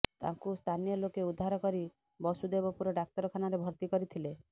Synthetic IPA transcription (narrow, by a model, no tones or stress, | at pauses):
t̪ã̰ŋkust̪ʰanijɔlokeud̪ʱːaɾɔkɔɾi | bɔsud̪ebɔpuɾɔɖak̚t̪ɔɾɔkʰanaɾebʱɔɾt̪ikɔɾit̪ʰile